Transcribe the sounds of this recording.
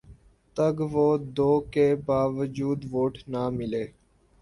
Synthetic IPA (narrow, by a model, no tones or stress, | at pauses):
t̪əɡʋoːd̪oːkeːbaːʋəd͡ʒuːd̪ʋoːʈnamɪleː